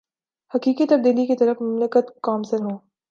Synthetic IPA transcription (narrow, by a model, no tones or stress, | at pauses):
hɐkiːkit̪ɐb̚d̪iːlikit̪ɐɾəfmɐmləkət̪kɔːmseɦõː